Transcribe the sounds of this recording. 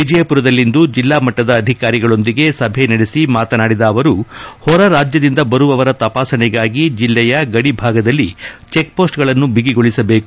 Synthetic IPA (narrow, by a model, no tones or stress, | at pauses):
ʋid͡ʒɐjɐpuɾɐd̪ɐlːind̪ud͡ʒilːaːmɐʈːɐd̪ɐːd̪ʱikaːɾiɡɐɭo̞nd̪iɡe̞sɐbʱenɐɽesimaːt̪ɐnaːɽid̪ɐːʋɐɾuhɔɾɐɾaːd͡ʒjɐd̪ind̪ɐbɐɾuʋɐʋɐɾɐt̪ɐpaːsɐnɛɡaːɡid͡ʒilːɛjɐɡɐɽibʱaːɡɐd̪ɐlːit͡ʃek̚po̞ːsʈɡɐɭɐnːubiɡiɡo̞ɭisɐbe̞ːku̥